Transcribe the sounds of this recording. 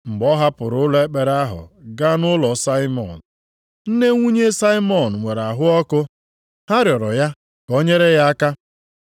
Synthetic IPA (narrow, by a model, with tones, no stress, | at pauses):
ŋ͡m̩˨ɡ͡bɔ˦ɦa˦pʊ˨ɾʊ˨˦le˦k͡pe˨ɾa˦ɦʊ̰˨ɡa˦nʊ˦lɔ˨sa˦ɪ˦mɔ̰˨n̩˨ | n̩˦ne˦ŋʷu˦ɲe˦sa˦i˦mɔ˨n̩˨ŋʷe˨ɾa˨ɦʊ˦ɔ˦kʊ˦ | ha˦ɾjɔ˨ɾɔ˨ja˦ | ko˦ɲe˦ɾe˦ja˦a˦ka˦